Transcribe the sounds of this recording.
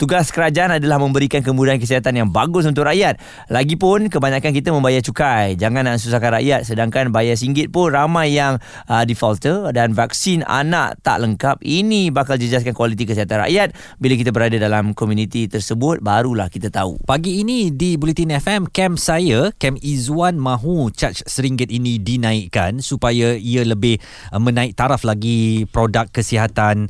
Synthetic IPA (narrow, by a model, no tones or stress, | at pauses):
t̪uɡaskəɾad͡ʒaʔanadalahmə̃mbəɾikankəmudaankəs̬iɦat̪anjaŋbaɡʊs̬unt̪̬ʊʔraʔjat̪̚ | laɡipʊnkəbaɲakank̬it̪əmə̃mbajat͡ʃukajd͡ʒaŋãnansus̬akanra̰ʔjat̪̚sədaŋkanbajas̬iŋɡɪt̪̚pʊnramajːaŋ | ədifɔlt̪ədanvak̚sina̰na̰ʔt̪a̰ʔləŋkap̚inibakald͡ʒəd͡ʒas̬kankwalit̪̬ikəsiɦat̪anra̰ʔjat̪̚ | bilak̬it̪abəɾadadalamkɔmjũnĩt̪it̪ərsəbʊt̪̚baɾulahkit̪at̪aṵpaɡiːnidibulit̪inɛfɛmkɛmsajakɛmizuanmãɦut͡ʃat͡ʃsəɾiŋɡɪt̪̚inĩdinãiʔkansupajaialəbɪh | mə̃nãɪk̚t̪aɾaflaɡipɾodakːəsiɦat̪an